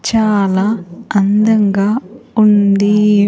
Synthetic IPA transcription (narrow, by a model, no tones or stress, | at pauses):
t͡ʃaːlaːɐnd̪ɐŋɡaːund̪i